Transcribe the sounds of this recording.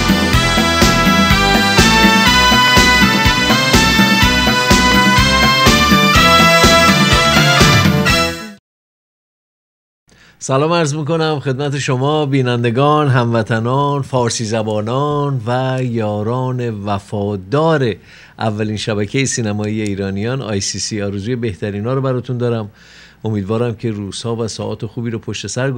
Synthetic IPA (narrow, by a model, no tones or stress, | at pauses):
sælɒːmæɾzmiːko̞næmxe̞d̪̚mæt̪ʰe̞ʃo̞mɒːbiːnænd̪e̞ɡɒːnɦæmvæt̪ʰænɒːnfɒːɾsiːzæbɒːnɒːnvæjɒːɾɒːne̞væfɒːd̪ɒːɾe̞ | ʔævːæliːnʃæbæcʰejesiːnæmɒːijeiːɾɒːnijɒːnɒ̰ːjsiːsiːɒːɾezuːjebe̞ht̪ʰæɾiːnɒːɾobæɾɒːt̪ʰund̪ɒːɾæm | o̞miːd̪vɒːɾæmcʰe̞ɾuːz̥hɒːvæsɒːʔɒ̰ːt̪ʰe̞xuːbiːɾopʰoʃt̪e̞sæɾ